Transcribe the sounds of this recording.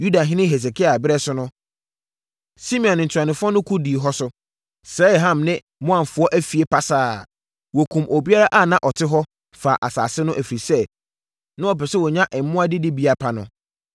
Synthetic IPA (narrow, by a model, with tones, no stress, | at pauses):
ju˦da˨ɦɪ̃˦nɪ̃˦ɦe˨s̬e˨kʰi˦a˨bɪ˦ɾɛ˦sʊ˦nʊ̃˦ | si˦mĩ˨ɔ̃˨n˨n̩˨tʰu˨a˨nɪ̃˨fʊ˦ɔ˦nʊ̃˦kʰu˦di˨ɦɔ˦sʊ˦ | sɛ˦˨ɦã˦˨mnɪ̃˦ | mʊ̃˦ã˨ɱ˨fʊ˨˦ɔ˦ʔæ˦fi˨e˨pʰa˦saː˨ | wɔ˨kʰũ˨mʔo˨bi˦a˦ɾa˦ʔa˦˨nã˦ʔɔ˨tʰɪ˦ɦɔ˦ | faː˨ʔa˨sa̰ː˨sɪ˦nʊ̃˦ʔæ˨fɾi˨sɛ˦ | nʊ̃˦ɔ˨pɛ˨sɛ˦wɔ˨ɲã˦ʔɛ˨m˨mʊ̃˦a˦dɪ˦dɪ˦bi˨a˨pʰa˨nʊ̰̃˦